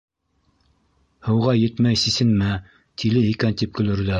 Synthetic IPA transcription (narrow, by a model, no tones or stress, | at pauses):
hɤ̆wʁɑjɘ̆t̪mæjsisɘ̆nmæ | t̪ʰilɘikænt̪ip̚kɵ̆lɘ̆ɾd̪æ